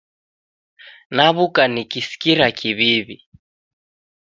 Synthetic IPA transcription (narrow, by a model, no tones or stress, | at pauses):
naβukanikisi̥kiɾakʰiβiβi